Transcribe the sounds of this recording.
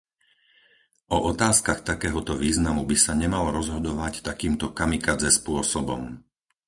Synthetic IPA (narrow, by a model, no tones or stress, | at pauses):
ɔʔɔt̪aːskaxt̪akɛːɦɔt̪ɔʋiːznamubisaɲɛmalɔɾɔzɦɔd̪ɔʋact̪akiːmt̪ɔkamikad͡zɛspʊɔsɔbɔ̰m